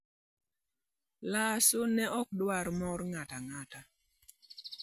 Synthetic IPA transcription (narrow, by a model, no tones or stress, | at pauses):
lasonɛʔɔk̚dwaɾmɔɾŋataŋata